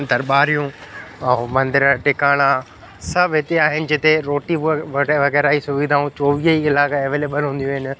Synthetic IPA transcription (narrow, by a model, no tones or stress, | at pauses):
d̪ʱɐɾɓaːɾijũɛ̃mɐ̃nd̪ɪɾəʈɪkaːɽ̃a | sɐbʱɦɪt̪eaːɦɪnɪ̆d͡ʑɪt̪eɾoːʈiʋɐɣɛːɾaːisʊʋid̪ʱaːũt͡ɕoːʋiəiɪlaːkaeʋeːleːbəlɦũːnd̪ijũːɦɪnɪ̆